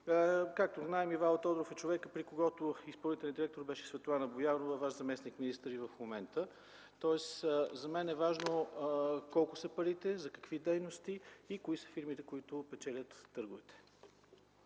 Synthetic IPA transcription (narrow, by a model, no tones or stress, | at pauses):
kak̚t̪oznaɛmivalˠt̪ɔd̪ɾofɛt͡ʃovɛkəpɾikoɡɔt̪ʊispəlˠnit̪ɛlʲjənd̪iɾɛk̚t̪oɾbɛʃɛ̥svɛt̪olˠanəbojanovəvaʃzɐmɛsnikminist̪əɾivɐfmomɛnt̪ə | t̪ɔɛsəzɐmɛnɛvaʒno | kɔlˠkʊsəpɐɾit̪ɛzɐkɐ̥kvid̪ɛjnost̪iːkʊisə̥fiɾmit̪ɛkoit̪ʊpɛt͡ʃɛlʲət̪ːɤɾɡʊvɛt̪ɛ̥